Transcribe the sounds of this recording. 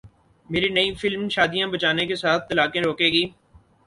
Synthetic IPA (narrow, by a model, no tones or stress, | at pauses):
meːɾinɐifɪlmʃaːd̪ijãbɐt͡ʃaːnekesaːt̪̚ʰt̪ɐlaːkẽɾoːkeːɡiː